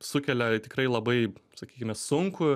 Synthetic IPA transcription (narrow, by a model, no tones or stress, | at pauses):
sʊkʲɛlʲɛt̪ʲɪkrɐɪlˠɐbɐɪsɐkʲiːkʲɪmʲɛsʊŋkʊ